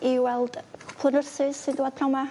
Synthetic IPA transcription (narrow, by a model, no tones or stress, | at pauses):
iwɛlˠd̥pʰlˠənʊrsɪ̥sɨndwad̚pʰrawma